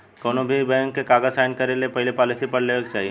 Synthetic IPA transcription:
koːnobʱibɛ̃ːŋkːekaːɡəzsaːɪnkɐɾelepɛɦɪlepɔːlɪsipɐɾleːk̚t͡ʃaːɦie

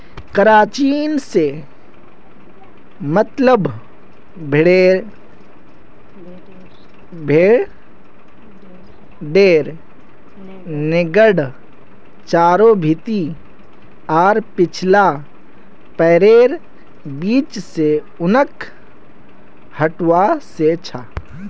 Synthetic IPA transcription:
kəɾaːt͡ʃiːnse | mət̪ləb | bʱɪɽeːɾ | bʱeːɽ | ɖeːɾ | nɪɡəɽ | t͡ʃaːɾobʱit̪i | ɔːɾpɪt͡ʃʰla | pɛːɾeːɾ | biːt͡ʃse | ʊnəkʰ | həʈwaset͡ʃʰaː

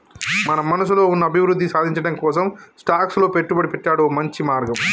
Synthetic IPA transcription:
mɐnɐmɐnɐs̬ulo̞ːunːɐbʱiʋɾud̪ːisaːd̪ʱiɲt͡ʃɐɽɐmkɔːsɐmsʈaːkslo̞ːpeʈːubɐɽipɛʈːaːɽuomɐɲt͡ʃimaːɾɡɐm

